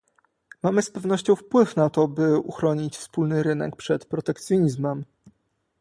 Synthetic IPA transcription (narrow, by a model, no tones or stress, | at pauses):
mamɘspɛvn̪ɔɕt͡ɕɔ̃w̃fpwɘfnat̪ɔbɘṵxɾɔɲit͡ɕfspulnɘɾɘnɛ̰kpʂɛt̪pɾɔt̪ɛkt̪sʲjɔɲizmɛm